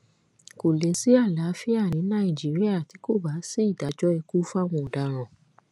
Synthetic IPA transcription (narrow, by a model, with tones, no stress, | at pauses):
ko˨le˨˦si˨˦a˦˨la˨˦fi˦a˦˨nĩ˨˦nã˦ĩ˨d͡ʒi˨˦ɾi˦a˦˨ti˨˦ko˦˨ba˨˦si˦i˦˨da˨˦d͡ʒɔ˦ɛ˧ku˦fa˦˨w̃ɔ̃˧ɔ˨da˧˨ɾ̃ã˨